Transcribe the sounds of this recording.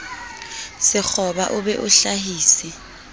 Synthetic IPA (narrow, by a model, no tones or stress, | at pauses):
sɪk͡xʰɔɓaʔʊɓɛʔʊɬaɦiːsi